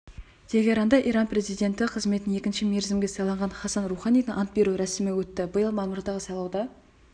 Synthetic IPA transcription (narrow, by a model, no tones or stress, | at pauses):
t̪ʰe̞ɡʲe̞ɾɑnd̪ɑʔijɾɑnpre̞zijd̪e̞nt̪ɪqʰəzme̞t̪ɪne̞kʲɪnʃɪme̞ɾzɪmɡʲe̞sɑlˠɑɴʁɑnχɑsɑnruχɑnijd̪ɪŋʔɑnt̪̚be̞ɾuɾæsɪmɪwɵt̪ːɪbəjəlˠmɑmʊɾd̪ɑʁəsɑlˠɑwd̪ɑ